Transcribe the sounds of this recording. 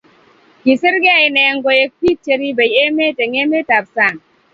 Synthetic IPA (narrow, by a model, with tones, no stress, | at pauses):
ki˨si˦ɾɡe˦a˦˨i˦ne˨je˦ŋɡo˦je˦k̚pi˦k̚t͡ʃe˦ɾi˦be˨je˦me˦te˨ŋe˦me˦ta˨p̚sa˦˨n